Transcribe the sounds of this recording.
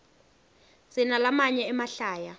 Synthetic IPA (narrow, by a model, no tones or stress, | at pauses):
zinalamaɲɛɛmaɬaːja